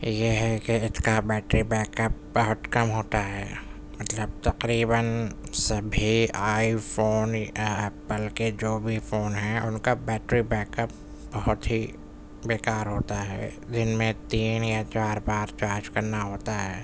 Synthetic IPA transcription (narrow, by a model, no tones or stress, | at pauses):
jeɦɛkeɪt̪ʰkabɛːʈɾibɛːkəp̚bɐɦʊt̪kɐmɦoːt̪aɦɛ̰ː | mɐt̪ləb̚t̪ɐqɾiːbənsɐbʱiaːifoːnaɛːpəlked͡ʒoːbʱifoːnɦɛ̃ʔʊnkabɛːʈɾibɛːkəp̚ | bɐɦʊt̪ɦi | beːkaːɾɦoːt̪aɦɛ̰ːd͡ʒɪnmẽt̪iːnjat͡ʃaːɾbaːɾt͡ʃaːɾd͡ʒkɐɾnaɦoːt̪aɦɛː